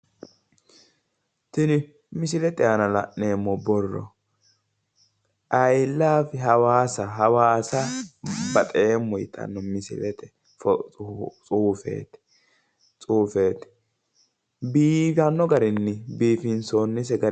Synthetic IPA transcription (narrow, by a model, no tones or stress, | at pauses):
sɪnɪ | mɪs̬ɪlɛt̪ɛɐnɐlɐ̰ʔne̞ːmːɔbɔrːɔ̰ | ʔɐjlːaːfɛɦɐwaːsɐɦɐwaːsɐbɐt̪ʼeːmːɔjɪt̪ʰɐ̰nːɔmɪsɪ̰lɛt̪ɛ | f | t͡sʼuːfḛːt̪ | t͡sʼuːfe̞ːt̪ɪ̥ | biːfɐnːɔɡɐɾɪnːɪbiːfɪnsoːnːɪs̬ɛɡɐɾ